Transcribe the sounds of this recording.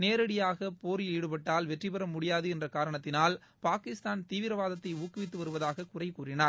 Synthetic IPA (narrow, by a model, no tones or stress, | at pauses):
neːɾɐɽɪjaːɣɐpoːɾiiːɽɯpɐʈːaːlʋɛʈripɐɾɐmʊɽɪjaːðɯɛndrɐkaːɾɐɳɐt̪ːɪnaːl | paːkɪst̪aːnt̪iːʋɪɾɐʋaːðɐt̪ːɐɪuːkːɪʋɪt̪ːɯʋɐɾɯʋɐðaːɣɐkʊrɐɪkːuːrɪnaːɾ